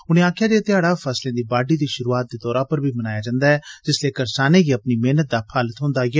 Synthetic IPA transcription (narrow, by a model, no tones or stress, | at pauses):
ʊnẽːaːkʰjaːd̪et̪ɪaːɽaːpʰəslẽːd̪iːbaːɖiːd̪iːʃʊɾuːaːt̪̚d̪eːd̪ɔːɾãːpəɾbʱiːmənaːjaːd͡ʒãːnd̪aːɦɛːd͡ʒɪsleːkəɾsaːnẽːɡiːəpniːmeːnət̪̚d̪aːpʰaːlət̪ɦʊ̃nd̪aːɡɛː